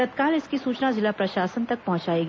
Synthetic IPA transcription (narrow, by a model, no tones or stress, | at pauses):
ɐt̪kaːlɪskisuːt͡ʃnazɪlapɾɐʃaːsənt̪ɐk̚pɐɦʊ̃t͡ʃaːeɡ